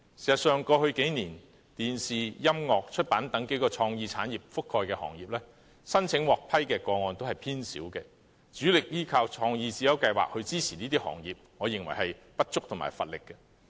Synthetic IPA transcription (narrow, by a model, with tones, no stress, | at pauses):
siː˨˩sɐ˨t̚sœː˨ŋkɔː˧hɵ˧ɥke˨˥jniː˨˩n | t̪iː˨nsiː˨jɐ˥mŋɔː˨k̚t͡ʃʰɵ˥t̚paː˨˥nt̪ɐ˨˥ŋke˨˥jkɔː˧t͡ʃʰɔː˧ŋjiː˧t͡sʰa̰ː˨˥njiː˨˩p̚fʊ˥kʰːɔː˧jkɛː˧hɔ̰ː˨˩ŋjiː˨˩p̚lɛː˥ | sɐ˥nt͡sʰɪ˨˥ŋwɔː˨k̚pʰɐ˥jkɛː˧kɔː˧ŋɔː˧nt̪o˥hɐ˨jpʰiː˥nsḭː˨˥wkɛː˧ | t͡syː˨˥lɪ˨k̚jiː˥kʰɐ˧wt͡ʃʰɔː˧ŋjiː˧t͡siː˨˥jɐ˨˧wkɐ˧jwa̰ː˨k̚hɵ˧ɥt͡siː˥t͡sʰiː˨˩niː˥t̪iː˥hɔ̰ː˨˩ŋjiː˨p̚ŋɔː˨˧jɪ˨˩ŋwɐ˨˩jhɐ˨˩jpɐ˥t̚t͡ʃʊ˥k̚t̪ʰʊ˨˩ŋma̰ː˨˩jfɐ̰˨t̚lɪ˨kːɛ˧